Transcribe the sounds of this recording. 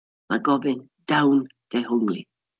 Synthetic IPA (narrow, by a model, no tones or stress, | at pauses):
maɡɔvɪn | d̥awnd̥ɛɦoŋli